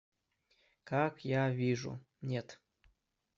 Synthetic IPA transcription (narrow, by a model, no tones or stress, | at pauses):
kakjavʲiʐṵ | nʲet̪